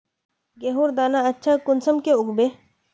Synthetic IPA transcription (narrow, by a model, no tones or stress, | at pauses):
ɡeːɦuːɾd̪aːnaɐtːʃʰakʊnsəmkeʊɡbeː